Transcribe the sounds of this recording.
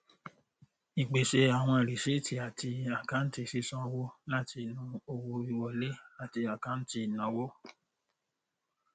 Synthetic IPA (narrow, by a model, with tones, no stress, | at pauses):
i˨k͡pe˨ʃe˧˦a˨w̃ɔ̃˧˨ɾi˨ʃe˦ti˨a˨ti˧a˨kã˨˦n̩˦ti˧˨si˦sɔ̃˦˧wo˦la˦ti˧nũ˧˦o˧wo˧i˨˧wɔ˨le˦a˨ti˧a˨kã˨˦n̩˦ti˧˨nã˨˦wo˦